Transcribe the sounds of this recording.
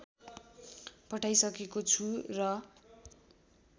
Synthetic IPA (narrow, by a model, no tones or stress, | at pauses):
pʌʈʰajsʌkekot͡sʰurʌ